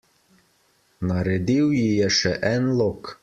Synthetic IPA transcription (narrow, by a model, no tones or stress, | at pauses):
nɑɾed̪iwjijɛʃɛʔænlˠok